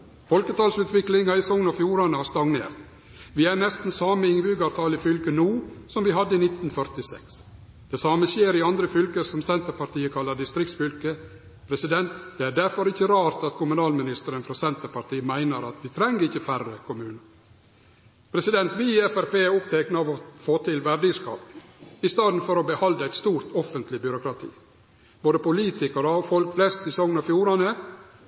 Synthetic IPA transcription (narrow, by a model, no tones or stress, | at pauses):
fɔlkət̪ʰɑːlsʉːt̪ʋɪklɪŋɑɾɪsɔŋnɑfjuːɾɑnəhɑst̪ɑŋnḛːɾt̪ | ʋɪæɾnɛst̪n̩sɑːməɪŋʋʉːɡɑʋt̪ʰɑːlɪfʏlkənuːsɔmʋɪɦɑd̪ːəinɪt̪nfœɾt̪ɪsɛ̰ks | d̪̥ɛsɑːməʃeːɾɪɑnd̪ɾəfʏlkəɾsɔmsɛnt̪əɾpɑɾt̪iːəkʰɑlːɑd̪ɪst̪ɾɪkt̪sfʏlkə | pʰɾɛsɪd̪ɛnt̪d̪̥ɛæɾɖæɾfɔɾɪçːəɾɑːɾt̪ɑt̪kʰʊmʉnɑːlmɪnɪst̪əɾənfɾɑsɛnt̪əɾpɑɾt̪iːəmæɪnəɾɑt̪ʋɪt̪ʰɾɛŋːəɪçːəfærːəkʰʊmʉːnə | pʰɾɛsɪd̪ɛnt̪ʋɪɛfæɾpeːæɾʊpt̪ʰɛknɑʋɔfoːt̪ʰɪlʋæɖɪskɑ̰ːpɪst̪ɑːd̪nfɔɾɔbəhɑld̪əæɪt̪st̪uːɾt̪ʰɔfənt̪lɪbjʏɾʊkɾɑt̪ʰḭː | b̥oːd̪əpʊliːt̪ɪkəɾəɔfɔlkflɛst̪sɪsɔŋnɑfjuːɾɑnə